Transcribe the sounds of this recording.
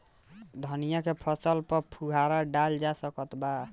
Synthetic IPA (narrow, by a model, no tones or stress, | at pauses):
d̪ʱənijakepʰəsəlpəɾpʰuɦaɾaɖald͡ʒasəkət̪ba